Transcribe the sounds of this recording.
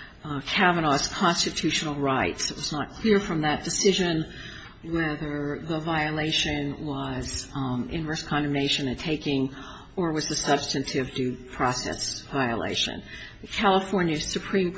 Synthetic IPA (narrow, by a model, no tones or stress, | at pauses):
kʰævəñɑskʰɑ̃nstɨtʰʉʃnl̩ˠɹaɪtsɨt̚wʌznət̚kʰl̥ɪɹfɹʌ̃mðɨt̚d̥ɨsɪʒɨ̃n | wɛðə˞ðəvaɪɨleɪʃɨ̃nwʌz̥ʔɪ̰̃nɹɜ˞skʰɑ̃ndɨ̃mneɪʃɨ̃nɨ̃tʰeɪkɪ̃ŋ | ə˞wʌzðɨsʌb̥stɨ̃ntʰɪvdʉpʰɹ̥ɑsɛ̰svaɪə̰lḛɪʃɨ̰̃nðɨkʰælˠəfɔɹnjɨ̥sɨpʰɹ̥ĩm